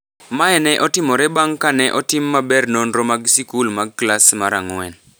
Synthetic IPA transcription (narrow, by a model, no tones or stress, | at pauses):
maɛnɛʔɔtɪmɔɾɛbaŋkanɛʔɔtɪmːabɛrnonɾɔmaɡsikulmaɡ̚klasmaɾaŋwɛn